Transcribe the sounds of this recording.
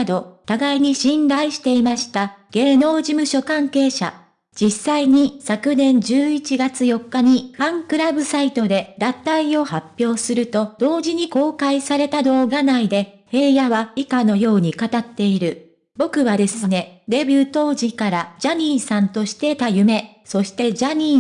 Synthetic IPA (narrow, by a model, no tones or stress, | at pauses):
ad̪o̞t̪aɡaiɲ̟iɕĩnɾaiɕi̥t̪e̞imaɕi̥t̪aɡ̥e̞ːno̞ːd͡ʑimɯ̟ɕo̞kãŋke̞ːɕa̰ | d͡ʑisːaiɲ̟isakɯ̟nẽ̞ɲd͡ʑɨːit͡ɕiɡat͡sɨjo̞kːaɲ̟iɸãŋkɯ̟ɾabɯ̟sait̪o̞d̪e̞d̪at̪aio̞hapʲːjo̞ːsɨɾɯ̟t̪o̞d̪̥o̞ːʑiɲ̟iko̞ːkaisaɾe̞t̪ad̪o̞ːɡanaid̪e̞ | he̞ːjaβaikano̞jo̞ːɲ̟ikat̪at̪ːe̞iɾɯ̟ | bo̞kɯ̟βad̪e̞sɨne̞ɾe̞bʲɨt̪o̞ːʑikaɾad͡ʑaɲ̟iːsãnt̪o̞ɕi̥t̪e̞t̪ajɯ̟me̞ | so̞ɕi̥t̪e̞d͡ʑaɲ̟iː